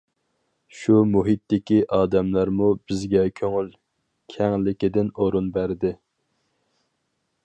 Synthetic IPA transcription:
ʃumuɦit̪ːɪkʲiʔɑːd̪ɛmlɑɾmubɪzɡʲɛkʲʰøŋyl | kʲʰɛŋlɪkʲid̪ɪnoɾunbæɾd̪ɪ

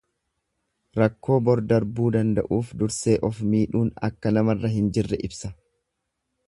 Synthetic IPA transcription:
ɾɐkːo̞ːbɔɾd̪ɐɾbuːd̪ɐnd̪ɐ̰ʔuːfd̪ʊɾse̞ːʔɔfmiːᶑuːnɐ̰kːɐnɐmɐrːɐɦɪnd͡ʒɪrːɛʔɪbsɐ

